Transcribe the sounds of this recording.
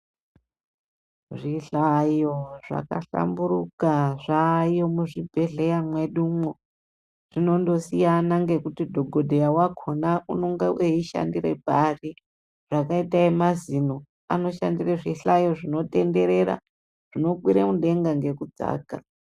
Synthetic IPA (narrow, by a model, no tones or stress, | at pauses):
ʐiɬajo̞ʐa̰ka̰ɬa̰mbuɾukaʐajo̞muʐibʱe̞ɮe̞jamwe̞ɗumwo | ʐ̥ino̞ndo̞sijanaŋɡe̞kutidʱo̞ɡʱo̞dʱejawakʰonauno̞ŋɡawʔeiʃa̰ndiɾḛbʱari | ʐ̥akaitaemazino̞ | a̰no̞ʃa̰ndireʐiɬajo̞ʐino̞te̞nde̞ɾe̞ɾa̰ | ʐ̥ino̞kwiɾemuɗe̞ŋɡaŋɡe̞kud͡za̰ːka